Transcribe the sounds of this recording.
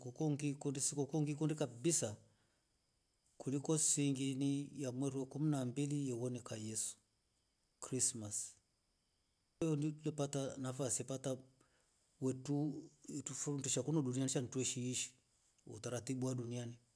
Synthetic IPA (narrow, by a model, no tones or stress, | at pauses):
kɔkɔŋɡikundisikɔkɔŋɡikundikabisa | kulikɔsiŋɡinijamwɛɾuɛkuminambilijɔwɔnɛkajɛsu̥ | kɾismas | jɔndiulɛpatanafasiɛpata | wɛtutufuuntiʃakunɔɗunianiʃan̩tuɛʃiiʃi̥ | ṵtaɾatiɓuwaɗuniani